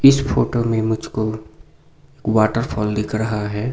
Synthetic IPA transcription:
ɪsfʰoːʈomẽmʊd͡ʒʱko | eːkwaːʈəɾpʰɔːld̪ɪkʰɾɐɦaɦɛː

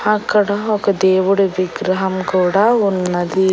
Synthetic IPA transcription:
haːkːɐɽɐokɐd̪eːʋuɽuʋiɡɾɐɦɐmkuːɽɐunːɐd̪i

